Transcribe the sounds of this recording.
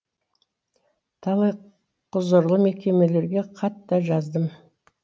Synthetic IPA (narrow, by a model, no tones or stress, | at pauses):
t̪ʰɑlˠɑj | qʰʊzəɾlˠəme̞kʲe̞me̞le̞ɾɡʲe̞qʰɑt̪ːɑʒɑzd̪əm